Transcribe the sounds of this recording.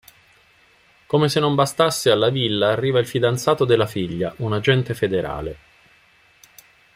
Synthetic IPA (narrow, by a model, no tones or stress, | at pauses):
komesenːombast̪asːealːavilːaːrːiːvailfid̪ant̪saːt̪od̪elːafiʎːaʔunad͡ʒɛnt̪efed̪eɾʔa̰ːle